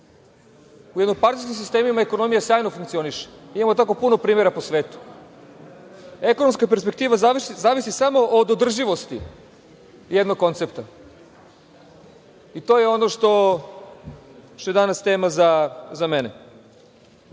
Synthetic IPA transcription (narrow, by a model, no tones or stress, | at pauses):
ujed̪nompaɾt̪i̥skʲims̬ist̪e̞ːmimaeko̞no̞mijasjaːjnofuŋkt̪sio̞niʃe̥imamot̪ako̞puno̞pɾiːmeɾaposʋeːt̪u̥ | eko̞noms̬kape̞ɾspek̚t̪iːʋazaizaːʋisisamo̞ʔod̪od̪r̩ʒiʋo̞st̪ḭ | jed̪no̞ɡ̚kːo̞nt̪se̞pt̪a | it̪o̞jeo̞noʃt̪o̞ | t̪ojd̪anast̪eːmazazamenḛ